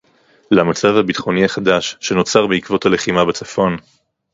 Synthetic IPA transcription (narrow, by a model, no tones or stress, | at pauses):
lamat͡savhabit̪χo̞niaχadaʃːe̞no̞t͡saʁbeikvo̞thale̞χimabet͡safo̞n